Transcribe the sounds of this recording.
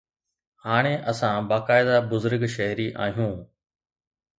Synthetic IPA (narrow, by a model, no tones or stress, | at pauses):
haːɽ̃eʔɐsãbaːkaːɪd̪abʊzʊɾɡʃɐɦɪɾiʔa̰ːɦijũː